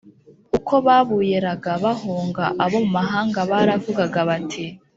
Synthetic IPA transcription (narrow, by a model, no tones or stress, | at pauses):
ukʰo̞βaːβuːjeɾaɡaβahoːŋɡaʔaβo̞mumaɦaːŋɡaβaɾavuɡaɡaβatʰi